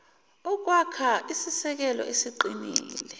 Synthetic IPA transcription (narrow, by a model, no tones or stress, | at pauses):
ɔk̬ʼwakʰaʔisisɛk̬ɛlɔ̰ʔesiǃiniːlɛ